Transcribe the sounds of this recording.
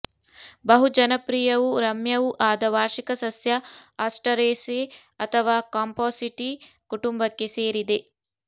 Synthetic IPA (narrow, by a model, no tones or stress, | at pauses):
bɐɦud͡ʒɐnɐpɾijɐʋuɾɐmjɐʋuʔaːd̪ɐʋaːɾʃikɐsɐsjɐɐsʈɐɾeːseɐt̪ʰɐʋaːkaːmpoːsiʈikuʈumbɐkːeseːɾid̪e